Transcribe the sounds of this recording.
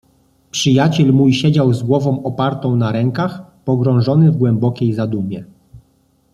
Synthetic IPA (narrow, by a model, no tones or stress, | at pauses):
pʂɘjat͡ɕɛlmujɕɛd͡ʑawzɡwɔvɔ̃w̃ɔpaɾt̪ɔ̃w̃naɾɛŋkaxpɔɡɾɔ̃w̃ʐɔnɘvɡwɛmbɔkʲejzad̪umʲjɛ